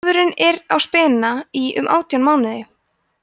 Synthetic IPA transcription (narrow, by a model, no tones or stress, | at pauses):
ðʏɾɪnɛɾawspɛːnnaiʏ̰mʔa̰ːwt̪jawnmaːwnɪðɪ